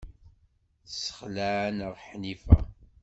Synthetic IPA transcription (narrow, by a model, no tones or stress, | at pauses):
θsə̥χlæʕnəʁħnifæ̰